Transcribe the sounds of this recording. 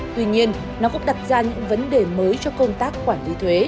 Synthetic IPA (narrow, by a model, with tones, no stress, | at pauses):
t̪wi˧ɲi˧ən | nɔ˨˦kʊ̰˧˥ŋ͡mɗa˨˩t̚zaː˧ɲɨ̰˧˥ŋvə˨˦nɗe˨˩məː˨˦jt͡ɕɔ˧kə˧wŋ͡mt̪aː˦˥k̚xwaː˧˩nli˨˦t̪ʰwe˨˦